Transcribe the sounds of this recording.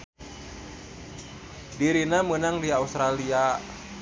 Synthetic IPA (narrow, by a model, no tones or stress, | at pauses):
diɾinamənaŋdiaust̪ɾalia